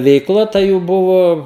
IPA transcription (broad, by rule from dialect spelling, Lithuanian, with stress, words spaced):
ʋʲɛɪkˈlˠɐ tɐ ˈjuː ˈbʊʋoː